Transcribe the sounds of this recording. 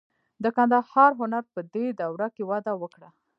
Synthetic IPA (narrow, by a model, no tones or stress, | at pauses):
d̪əkand̪ahɑɾɦʊnaɾpəd̪ed̪awɽakewɑd̪awəkɽa